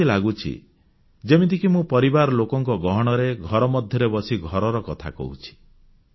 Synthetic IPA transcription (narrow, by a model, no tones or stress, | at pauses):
ilaɡut͡ʃʰḭ | d͡ʒemit̪ʰikimũpɔɾibaɾɔlokɔŋkɔɡɔɦɔɽ̃ɔɾeɡʱɔɾɔmɔd̪ʱjɔɾebɔsiɡʱɔɾɔɾɔkɔt̪ʰa̰kɔ̰ṵt͡ʃʰi̥